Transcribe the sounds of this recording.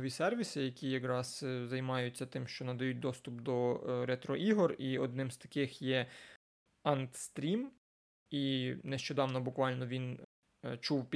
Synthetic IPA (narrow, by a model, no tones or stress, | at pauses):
ʋʲisɛrʋʲisɪjɐkʲijɐkɾɑzzɐjmɑjʊtʲt͡sʲːɐt̪ɪmʃt͡ʃɔnɐd̪ɐjut̚ʲd̪ɔst̪ʊpd̪ɔɾet̪ɾɔʔiɦɔriɔd̪nɪmst̪ɐ̥kɪxjɛ | ɐnt̪st̪ɾʲim | ineʃt͡ʃɔd̪ɑwnɔbʊkʋɑlʲnɔʋʲin | t͡ʃuwpʲ